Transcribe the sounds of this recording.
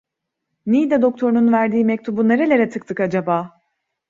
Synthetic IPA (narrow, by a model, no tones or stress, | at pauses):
nijid̪ɛd̪o̞k̚t̪ʰo̞ɾununvæɾd̪iːmɛc̚t̪ʰubuneɾelʲeɾɛt̪ʰɯk̚t̪ʰɯkad͡ʒabaː